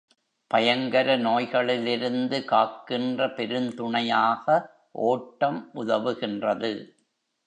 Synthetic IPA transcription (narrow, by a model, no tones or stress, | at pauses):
pɐjɐŋɡɐɾɐnoːjɣɐɭɪlɪɾɯnd̪ɯkaːkːɪndrɐpɛɾɯnt̪ʊɳɐjaːɣɐ | ʔoːʈːɐmʔʊðɐʋɯɣɪndrɐðɯ